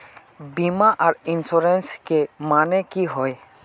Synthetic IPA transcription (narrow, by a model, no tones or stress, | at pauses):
bimaʔaɾinsɔɾɛnskemanɛkiɦɔj